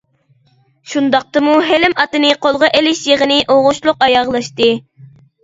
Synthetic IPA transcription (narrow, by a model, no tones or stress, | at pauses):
ʃund̪ɑq̚t̪ɨmuɦelɪmɑt̪ɨnɨqʰolˠʁɑʔelɪʃjeʁənɨʔoʁʊʃlˠʊqɑjɑʁlˠɑʃt̪ɨ